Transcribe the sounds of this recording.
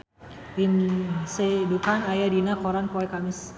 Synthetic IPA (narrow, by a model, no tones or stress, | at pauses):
imsedukanajadinakɔɾanpoɛkamɪs